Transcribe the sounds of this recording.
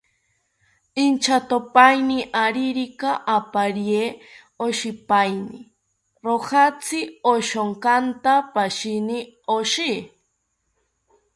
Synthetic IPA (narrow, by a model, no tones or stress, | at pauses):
int͡ʃʰat̪opajniʔaɾiɾikaʔapaɾje | oʃipajni | ɾohat͡sʰioʃoŋkant̪apaʃinioʃi